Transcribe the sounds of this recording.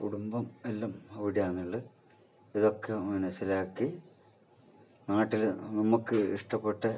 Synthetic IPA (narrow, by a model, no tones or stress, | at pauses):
kuɽumbɐmelːaːmɐʋiɽijaːnːiɭːɨ | iðo̞kːe̞mɐnɐsːɐlaːkːi | naːʈːilnɐmukːɨḭʂʈɐpːe̞ʈːɨ